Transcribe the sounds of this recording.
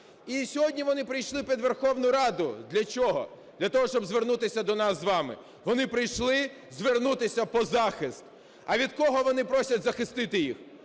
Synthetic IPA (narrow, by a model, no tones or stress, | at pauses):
isʲɔɦɔdʲnʲiʋɔnɪpɾɪjʃlˠɪpʲid̪ʋerxɔwnʊɾɑd̪ʊd̪lʲɐt͡ʃʲɔɦɔ̰d̪̥lʲɐt̪ɔɦɔʃt͡ʃɔbzʋernut̪ɪsʲɐd̪ɔnɑszʋɑmɪ̰ | ʋɔnɪpɾɪjʃlˠɪ | zʋernut̪ɪsʲɐpɔzɑxɪst̪̚ | ɐʋʲid̪kɔɦɔʋɔnɪpɾɔsʲɐtʲzɐxɪst̪ɪt̪ɪjix